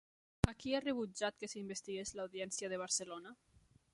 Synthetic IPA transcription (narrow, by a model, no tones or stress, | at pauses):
akiareβ̞ud͡ʒat̪kesimbest̪iɣeslawðiɛnsiaðeβ̞aɾselona